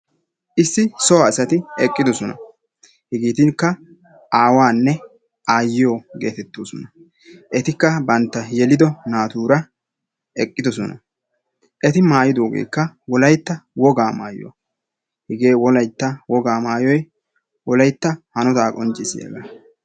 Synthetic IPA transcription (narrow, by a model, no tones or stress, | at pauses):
ʔɪsːɪsɔwaɪsɐt̪ɪɛkʼːɪd̪ɔsɔnɐ̰ | hɪɡiːt̪ɪŋkːɐ | ʔaːwaːnːɛ | ʔaːjɪjoːɡḛːt̪ɛt̪ːoːsɔnɐ | ʔɛt̪ɪkːɐbɐnt̪ːɐjɛlɪd̪ɔnaːt̪uːɾɐ | ʔɛkʼːɪd̪ɔsɔnɐ̰ | ʔɛt̪ɪmaːjɪd̪oːɡḛːkːɐwɔlɐjt̪ːɐwɔɡaːma̰ːjo̰ | hɪɡe̞ːwɔlɐjt̪ːɐwɔɡaːmaːjɔj | wɔlɐjt̪ːɐhɐnɔt̪aːkʼɔnt͡ʃʼːɪsɪḛːɡaː